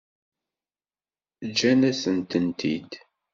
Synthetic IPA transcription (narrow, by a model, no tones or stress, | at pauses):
d͡ʒːænæsənt̪ənt̪ʰḭd̪